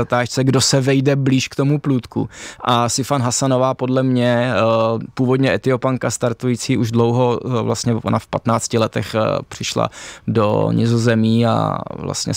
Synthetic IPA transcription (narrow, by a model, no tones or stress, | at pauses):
at̪aːʃt͡sɛɡdosɛvɛjdɛbliːʃkt̪o̞mupluːt̪kṵʔasɪfanɦasano̞vaːpo̞dlɛmɲɛ | puːvo̞dɲɛʔɛt̪ɪopaŋkast̪aɾt̪ujit͡siːʔuʒdlo̞wɦo̞vlast̪ɲɛona̰fpat̪naːt͡scɪlɛt̪ɛxpr̝̥ɪʃla̰do̰ɲɪ̰zozɛmiːa̰vla̰st̪ɲɛ̰